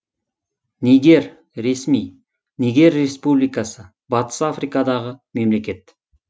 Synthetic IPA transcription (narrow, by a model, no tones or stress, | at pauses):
nejɡ̪ʲe̞ɾ | ɾe̞smij | nejɡʲe̞ɾːe̞spublijkɑsə | bɑt̪ə̥safrijkɑd̪ɑʁəme̞mle̞kʲe̞t̪